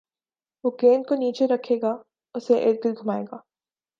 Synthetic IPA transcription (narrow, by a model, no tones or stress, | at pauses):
ʋoɡeːnkoniːt͡ʃeɾɐkʰeːɡaː | ʊseʔḛːɾ̚d̪ɪlɡʱʊmaːḛːɡaː